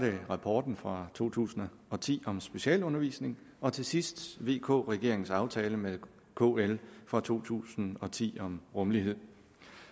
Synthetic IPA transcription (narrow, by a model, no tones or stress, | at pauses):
d̥eʁɑ̈pʰɒːd̥n̩fʁɑ̈t͡sʰo̝̰ːt͡sʰṵːsn̩ɐ | ɒ̽t͡sʰḭːɒ̽msb̥e̝ɕɛ̰ːlɔ̽nɐʋḭːsne̝ŋ | ɒ̽t͡sʰe̝sisd̥ʋe̝̰ːkʰɔ̰ːʁɛɡ̥e̝ɐeŋn̩sɑ̈ʊt͡sʰɛːləme | kʰo̰elfʁɑ̈t͡sʰo̝̰ːt͡sʰṵːsn̩ɒ̽t͡sʰḭːɒ̽mʁɔ̽mliɦe̝ð̰ˠ